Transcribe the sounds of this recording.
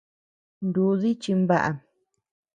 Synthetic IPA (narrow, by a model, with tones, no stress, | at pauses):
nd̪u˨˦ði˦t͡ʃi˧mba˦˨ʔa̰˨